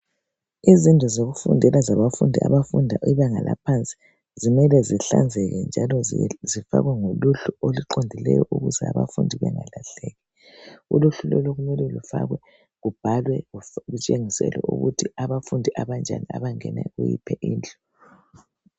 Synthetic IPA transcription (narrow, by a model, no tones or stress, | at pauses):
izindʱɔzoɣufṵndʱɛlazaβafundʱia̰βafundʱaʔiβɛŋalapʰant͡sʼi̥ | zimɛlɛziɬand͡zʱɛɣɛnd͡ʒʱalɔzifaɣwɛŋoluɬuoliǃondʱilɛ̰jɔʔuɣuzɛaβa̰fundʱiβɛŋalaɬɛɣɛ | uluɬulɔlɔɣumɛlɛlufaɣwɛ | ɣub̥ʱalwɛɣut͡ʃʼeŋisɛ̰lwɛ̰ʔuɣutʰiaβafundʱiʔaβand͡ʒʱania̰βaŋɛnɛ̰ɣujḭpʰɛʔiːnd͡ɮʱʼɔ